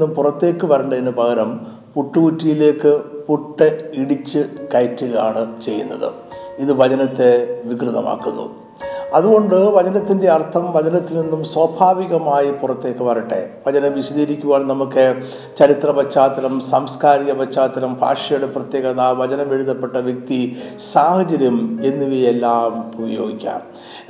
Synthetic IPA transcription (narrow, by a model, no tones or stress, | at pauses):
umpurɐt̪ːe̞ːkːɨʋɐɾɐɳɖɐinːɨpɐɣɐɾɐm | puʈːuɣutːijile̞ːkːɨpuʈːeiɽit͡ɕːɨkɐjtːuɣɐjaːɳɨt͡ɕe̞jːunːɐ̰ðɨ̰ | iðɨʋɐt͡ɕɐnɐt̪ːe̞ʋikrɨðɐma̰ːkːṵnːṵ | ɐðuɣo̞ɳɖɨʋɐd͡ʑɐnɐt̪ːinde̞ɐrt̪ʰɐmʋɐd͡ʑɐnɐt̪ːilninːumswɐbʱaːʋiɣɐmaːjipurɐt̪ːe̞ːkːɨʋɐrɐʈːe̞̰ʋɐd͡ʑɐnɐmʋiɕɐðiːɾikʲːuʋaːɳnɐmukːɨ | t͡ɕɐɾit̪rɐbɐt͡ɕːaːt̪ɐɾɐmsaːmskaːɾiɣɐbɐt͡ɕːaːt̪ːɐɾɐmbʱa̰ːʂjɐjuɽeprɐt̪je̞ːɣɐðaʋɐd͡ʑɐnɐme̞ɻuðɐpːe̞ʈːɐʋjek̚t̪isaːhɐd͡ʑɐɾjɐme̞nːiʋijelːaːmubɐjo̞ːɡikʲːa̰ːm